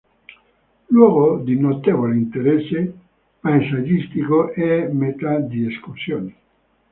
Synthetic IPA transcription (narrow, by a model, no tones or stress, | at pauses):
lwɔːɡod̪inot̪evoleint̪eɾɛsːe | maesad͡ʒist̪ikoʔɛmet̪ad̪ieskursjoːne